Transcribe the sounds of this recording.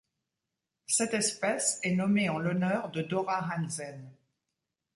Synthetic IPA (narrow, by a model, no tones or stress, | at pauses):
sɛt̪ɛspɛsɛnɔmeɑ̃lɔnœʁd̪əd̪ɔʁaɦanzɛn